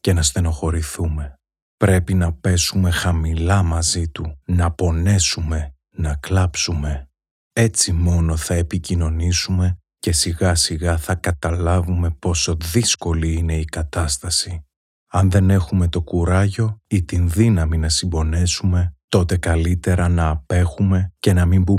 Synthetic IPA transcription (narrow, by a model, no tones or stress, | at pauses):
ce̞nɐst̪e̞noxo̞ɾiθume̞ | pɾe̞pinɐpe̞sume̞xɐmilɐmɐzit̪unɐpo̞ne̞sume̞ | nɐklɐpsume̞ | e̞t͡simo̞no̞θɐe̞picino̞nisume̞ | ce̞siɣɐsiɣɐθɐkɐt̪ɐlɐvume̞po̞so̞ðisko̞liine̞ikɐt̪ɐst̪ɐsi | ɐnðe̞ne̞xume̞t̪o̞kuɾɐʝo̞it̪inðinɐminɐsimbo̞ne̞sume̞t̪o̞t̪e̞kɐlit̪e̞ɾɐnɐːpe̞xume̞ce̞nɐmimbu